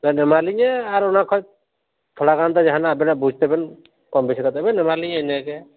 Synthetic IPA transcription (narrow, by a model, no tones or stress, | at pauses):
t̪anɛmaliɲɛaɾɔnakʰɔj | t̪ʰɔɽaɡand̪ad͡ʒaɦanaːbɛnabud͡ʒʱt̪ɛbɛn | kɔmbɛsʰɛkat̪ɛbɛnɛmaliɲɛɛnɛkɛ